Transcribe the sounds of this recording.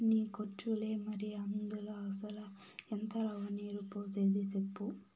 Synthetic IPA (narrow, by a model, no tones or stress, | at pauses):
nikoʈːulemɐɾiɐnd̪ulɐsɐlɐ | ent̪ʰɐlɐʋɐniɾupot͡ʃed̪isepːu